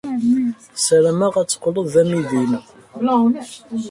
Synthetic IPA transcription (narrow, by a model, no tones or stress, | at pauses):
sɾəmæʁæt͡sːqːloðˤðæmiðin